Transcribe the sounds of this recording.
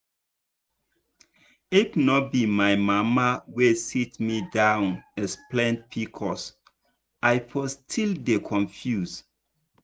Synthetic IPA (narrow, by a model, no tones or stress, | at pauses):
ifnɔt̚bimajmamawesitmidãwnɛsplɛ̃ntpʰikʰɔs | ajfʰɔstʰildekʰɔ̃ɱfjus